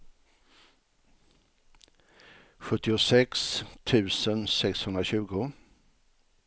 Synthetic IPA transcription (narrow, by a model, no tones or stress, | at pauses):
ɧɵt̪ːɪʊsɛkst̪ʰʉ̟ːsənsɛkshɵnd̪ɾaɕʉ̟ːɡʊ